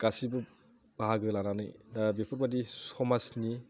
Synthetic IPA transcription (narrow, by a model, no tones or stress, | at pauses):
ɡ̥asibɯ | baɦaɡɯlananɯ̰jdabepʰɯɾbadisɔmasni